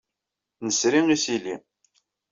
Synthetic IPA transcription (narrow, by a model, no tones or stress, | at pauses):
nəsɾimisili